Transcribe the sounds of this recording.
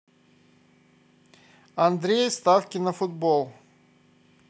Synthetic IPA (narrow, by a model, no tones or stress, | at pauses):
ɐnd̪ɾʲejst̪afkʲɪnɐfʊd̪bolˠ